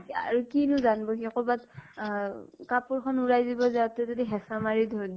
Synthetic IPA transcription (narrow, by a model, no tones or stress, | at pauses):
a̰ɹukinuzanbɔɦiakɔbat | kapuɹkʰɔnuɹajzibɔzatɛzodiɦɛsamaɹidʱɔɹd